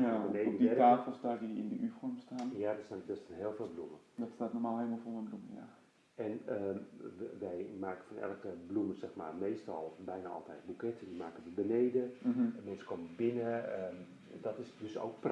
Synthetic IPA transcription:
janeodittaːfəl̩ˠstaːdiɪ̰ndəʔyfɔrmstaːnjadəsɛndɔsɛnɦɪəlˠfɪːlˠbluməd̥ɔtstaːtnɔrmaːlˠɦeːlˠmɔlˠfomənbluməja̰ | ɛnə | ʋɛjmaːkə̥fɔnɛ̰lˠkəbluməsɛxmaːrmeːstɔlˠbɛjnaɔ̰lˠtɛjt̚bukɪtdimaːkəʋəbəneːdəm̩ɦ̩mɛnsə̥koməbɪnə | dɔtɪsdøso̰ːkpr

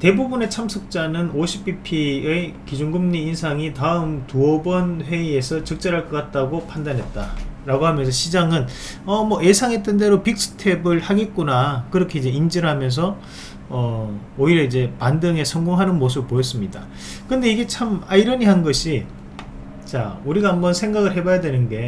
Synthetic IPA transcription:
te̞bubune̞t͡ɕʰamsʰʌk̚t͡ɕ͈anɯnoɕʰi̥pʰipʰiekid͡ʑuŋɡɯmɲiːnsʰaŋitaɯmtuʌbʌnɸwe̞ie̞sʰʌt͡ɕʌk̚t͡ɕ͈eɾaɭk͈ʌk͈at̚t͈aɡopʰandanɦe̞t̚t͈a̰ɾaɡoɦamjʌns̬ʰʌɕʰid͡ʑaŋɯn | ʌmʌe̞sʰaŋɦe̞t͈ende̞ɾopik̚s͈ʰɯ̥tʰe̞bɯɭhaɡe̞t̚k͈unakɯɾʌkʰe̞id͡ʑe̞ind͡ʑiɾɯɭɦamjʌns̬ʰʌ | ʌ | oiɾjʌid͡ʑe̞pandɯŋe̞sʰʌŋɡoŋɦanɯnmos̬ʰɯbpojʌs̬͈ɯmɲida | kɯnde̞iɡe̞t͡ɕʰamaiɾʌɲiɦanɡʌɕʰi | t͡ɕa̰uɾiɡaɦambʌnsʰe̞ŋɡaɡɯɭɦebajadwe̞nɯnɡe̞

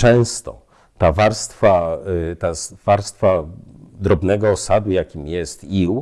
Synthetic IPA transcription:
t͡ʂɛ̃w̃st̪ɔ̰ | t̪avaɾst̪fat̪asv̥aɾst̪fad̪ɾɔbnɛɡɔːsad̪ujakʲimjɛst̪iw

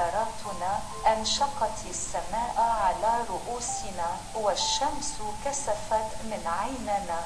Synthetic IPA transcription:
ɾˤɑːt̪ʊnaː | ʔanʃɑqɑt̪ | sːamaːʔʕalaːɾˤʊʔuːsɪnaː | waʃːamskasafat̪mɪnʕajnɪnaː

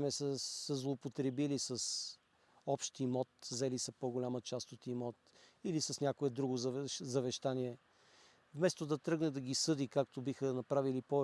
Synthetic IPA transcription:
mɛsəːəzlˠopot̪ɾɛbilisɐs | ɔpʃt̪imɔt̪̚zɛlisɐpoɡolʲamət͡ʃast̪ot̪imɔt̪̚ilisɐsnʲakoɛd̪ɾuɡozzɐvɛʃt̪aniɛ | vmɛst̪od̪ɐt̪ɾɤɡnɛd̪ɐɡisɤd̪ikak̚t̪obixənɐpɾavilipɔ

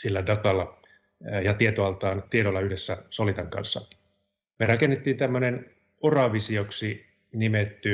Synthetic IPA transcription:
silːædɑt̪ɑlːɑ | jɑt̪iet̪oɑlt̪ɑːnt̪ieɾolːɑyhdesːæsolit̪ɑŋkɑ̰nsːɑ̰ | merɑkenːet̪ːiːnt̪æmːønen | orɑʋisioksi | nimet̪ːy

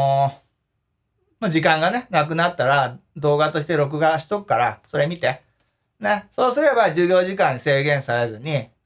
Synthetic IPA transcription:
mad͡ʑikãŋɡane̞nak̬ɯ̟nat̪ːaɾad̪o̞ːɡat̪o̞ɕ̬i̥t̪e̞ɾo̞k̬ɯ̟ɡaɕi̥t̪okɯ̟̥kaɾaso̞ɾe̞mʲit̪e̞ | neso̞ːsɨɾe̞bad͡ʑɨːɡʲo̞ːʑik̬ãɲ̟ːise̞ːɡẽ̞ɰ̃saɾezɨɲ̟i

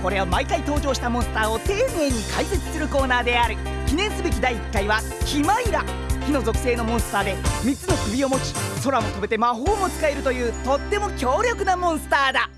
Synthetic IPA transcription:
ko̞ɾe̞omaikait̪o̞ːʑo̞ːɕi̥t̪amõ̞ɰ̃sɨ̥t̪aːot̪e̞ːne̞ːɲ̟ikaiset͡sɨ̥sɨɾɯ̟ko̞ːnaːd̪e̞aɾɯ̟ | kʲinẽ̞ɰ̃sɨbe̞kʲid̪aiːkːaiβa | kʲimaiɾa | çʲino̞zo̞kɯ̟se̞ːno̞mõ̞ɰ̃sɨ̥t̪aːd̪e̞mʲit͡sːɨno̞kɯ̟bʲio̞mo̞t͡ɕi̥so̞ɾamo̞t̪o̞be̞t̪e̞maɦo̞ːmo̞t͡sɨ̥kae̞ɾɯ̟t̪o̞jɯ̟ːt̪o̞t̪ːe̞mo̞kʲo̞ːɾʲo̞kɯ̟namõ̞ɰ̃sɨ̥t̪aːd̪a

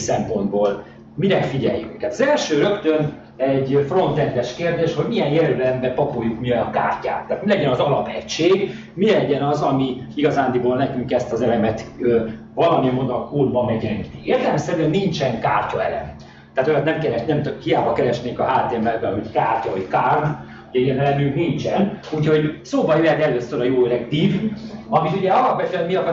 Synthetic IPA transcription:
sɛmpo̞nd̪boːl | miɾɛfiɟɛjːy̰kːaːt̪ɒzɛlʃøːɾø̞kt̪ø̞n | ɛɟfro̞nt̪ɛnd̪ɛʃkeːrd̪eːʃho̞ɟmiɛjjɛɾylɛmbɛpɒpoːjːukmiojɒkaːrca̰ːt̪ːaːt̪milɛɟɛnɒzɒlɒpɛcʃeːɡ | milɛɟɛnɒzɒmiiɡɒzaːnd̪iɡolnɛkyŋkɛst̪ɒzɛlɛmɛt̪ø | vɒlɒmiɛmod̪okoːd̪bɒmɛɟɛŋkieːrd̪ɛlɛmsɛɾyɛnːint͡ʃɛŋka̰ːrcɒɛlɛ̰m | t̪aːt̪ojɛt̪nɛmkɛɾɛnɛmt̪økhijaːbɒkɛɾɛʃneːŋkɒɦaːt̪eɛmːɛlbɛlɦockaːrcɒɦockaːrd̪ | uɟɛiɛnɛlɛnyŋknint͡ʃɛnucho̞ɟsoːbɒjøjɛt̪ɛløːsøɾɒjoːɾɛkt̪iːvɒmit̪uɟɛɒlɒpʋɛt̪øɛnmiɒkɒ

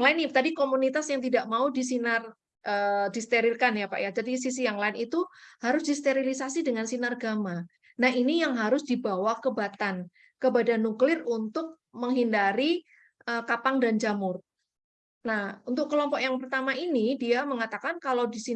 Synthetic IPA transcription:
ŋlaɪnt̪adikomunit̪asjaŋt̪idaʔmaudis̬inar | ʔədist̪eɾirkanjapa̰ʔjad͡ʒadis̬isijaŋlaɪnit̪uhaɾʊsdist̪eɾilisasidəŋansinarɡama | naɦinijaŋɦaɾʊsdibawakəbat̪an | kəbadanuklɪrunt̪ʊk̚ | məŋɦindaɾi | ʔəkapaŋdand͡ʒamʊr | nahunt̪ʊkːəlɔmpɔkjaŋpərt̪amaʔinidiaməŋat̪akankalawdisi

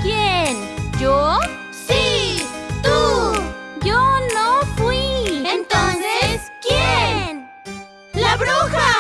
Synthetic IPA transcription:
kjend͡ʒo | si | t̪u | jonotũiẽnt̪õnseskjen | lɐbɽuxa

